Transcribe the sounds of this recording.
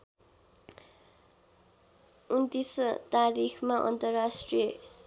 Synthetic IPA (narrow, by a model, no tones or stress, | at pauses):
unt̪ist̪aɾikʰmaʔʌ̰nt̪ʌrasʈrijʌ